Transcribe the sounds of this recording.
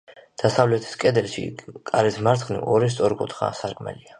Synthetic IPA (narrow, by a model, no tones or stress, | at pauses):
d̪̥asavlɛt̪ʰi̥skʼɛd̪ɛlʃḭkʼaɾɛsmaɾt̪sʰχnḭʔɔɾis̬t̪sʼɔɾkʼṵt̪ʰχa̰saɾkʼmɛ̰lia